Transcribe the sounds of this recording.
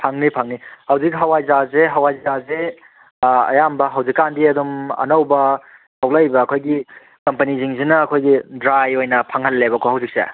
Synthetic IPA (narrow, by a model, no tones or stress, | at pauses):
pʰaŋnipʰaŋnihɐwzikɦɐwajzazeɦɐwajzaze | ɐ̰jambɐɦɐwzikːandiɐdumɐ̰nɐwbɐtʰawlɐjbɐːkʰojɡi | kɐmpɐniziŋzinɐːkʰojɡidɾajojnɐpʰaŋɦɐlːebɐkʰohɐwzik̚sḛ